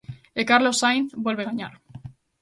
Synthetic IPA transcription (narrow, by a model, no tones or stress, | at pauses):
ekaɾlo̞sajnθbwe̞lβe̞ɣaɲa̰ɾ